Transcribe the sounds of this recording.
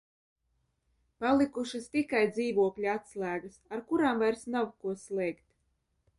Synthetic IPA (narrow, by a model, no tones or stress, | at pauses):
palˠikuʃɨst̪ikajd̪ziːvuɔklʲiat̪slˠæːɡɐsaɾkuɾaːmvajɾsnawkuɔslˠɛjkt̪